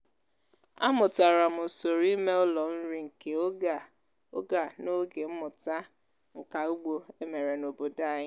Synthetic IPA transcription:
a̰˦mʊ˨ta˨ɾa˨mʊ˨so˨ɾi˦me˦ʊ˦lɔ˨n̩˦ɾi˦ŋ̩˨ke˦o˦ɡa˨ | o˦ɡa˨no˦ɡe˨m̩˦mʊ˨ta˦ | ŋ̩˨ka˨u˦ɡ͡bo˦e˦me˨ɾe˨no˨bo˨da˦ɲɪ˦

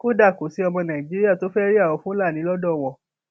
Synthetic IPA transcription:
ko˦da˦˨ko˨˦si˨˦ɔ˧mɔ̃˧nã˨ĩ˨d͡ʒi˦ɾi˦a˦˨to˨˦fɛ˦ɾi˦a˦˨wɔ˨˧˦fũ˦la˦˨nĩ˨˦lɔ˦dɔ˦˨wɔ˨

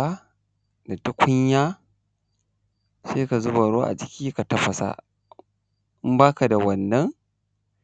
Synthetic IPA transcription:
a˦ | da˨tʊ˦kʷʊ˦ɲjaː˦ | seː˦ka˨zʊ˦ba˨ɾoː˦ʔa̰˨d͡ʒɪ˦kʲiː˦ka˨tɐ˦ɸɐ˨sa̰˦˨ | ʔɪ˦mbaː˦ka˨da˨wɐ˨nːɐ˦ŋ

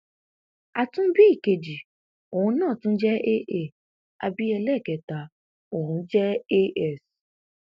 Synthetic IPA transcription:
a˧tũ˦bi˦i˦˨ke˨d͡ʒi˨ | o˨hũ˧˦nãː˦˨tũ˦d͡ʒɛ˦ʔe˦ʔe˦˨ | a˧bi˦ɛ˧lɛ˦˨kɛ˨ta˨ | o˨ũ˧˦d͡ʒɛ˦e˦ɛ˦˨s

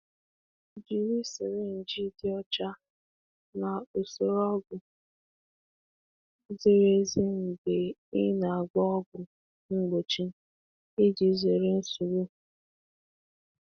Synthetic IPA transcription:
d͡ʒi˨ɾi˦se˨ɾe˦n̩˨d͡ʒi˦dɪ˦ɔ˦t͡ʃa˦ | na˨o˨so˦ɾɔ˦ɡʊ˨ | ze˦ɾe˦zi˦ŋ̩˨ɡe˨ɪ˦na˨a˨ɡ͡bɔ˦ɔ˦ɡʊ˨ | ŋ͡m̩˦ɡ͡bo˨t͡ʃi˦ | ɪ˦d͡ʒi˨˦ze˨ɾe˦n̩˦su˨ɾu˦

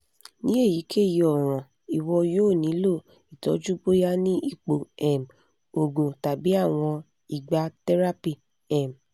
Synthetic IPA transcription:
nĩ˦e˦˨ji˨˦kʰe˦˨ji˧ɔ˨ɾ̃ã˨ | i˨wɔ˧joː˦˨nĩ˨˦lo˦˨ | i˨tɔ̰˨˦d͡ʒu˦bo˦ja˦nĩ˦i˦˨k͡po˨ɛ˨m | o˨ɡũ˨ta˨bi˨˦a˦˨w̃ɔ̃˧ | i˨ɡ͡ba˧tɛ˦ɾa˦pi˦ | ɛ˨m˨

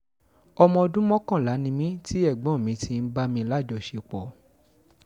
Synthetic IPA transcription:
ɔ˧mɔ̃˧o˧dũ˦mɔ̃˦kã˦˨la˨˦nĩ˧mĩ˦ti˦ɛ˦˨ɡ͡bɔ̃˨˦˨mĩ˨˧tʰi˧˦˧n̩˦ba˦mĩ˧˦la˦˨d͡ʒɔ˧˨ʃe˧k͡pɔ˨

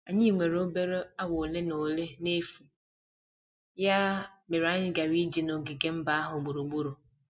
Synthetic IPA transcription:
a˨ɲi˦˨ŋʷe˨ɾo˦be˦ɾo˦a˦wo˨le˦no˨le˦ne˦fu˨ | ja˦me˨ɾa˦ɲɪ˦ɡa˨wi˦d͡ʒi˨no˨ɡɪ˨ɡe˦m̩˦ba˦a˦ɦʊ˨ɡ͡bu˨ɾu˨ɡ͡bu˦ɾu˨

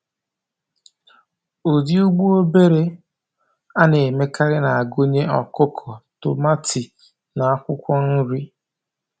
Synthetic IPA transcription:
u˨dɪ˦u˦ɡ͡bu˦o˦be˦ɾe˨ | a˦ne˨me˦ka˦ɾɪ˦na˨a˨ɡo˦ɲe˦ɔ˨kʊ˦kʰɔ˨tʊ˨ma˦tʰi˨ | na˨a˦kʷʊ˦kʷɔ˦n̩˦ɾi˦

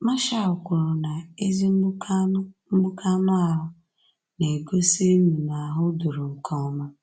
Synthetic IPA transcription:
ma˦ʃa˦˨ʊ˨kʷʊ˨ɾʊ˨na˨e˦zi˦m̩˦ɡ͡bʊ˦ka˦na˦a˦ɦʊ˦ | ne˨ɡo˦se˦nu˨na˨a˨ɦʊ˦du˨ɾʊ˨ŋ̩˨kʰɔ˦ma˦

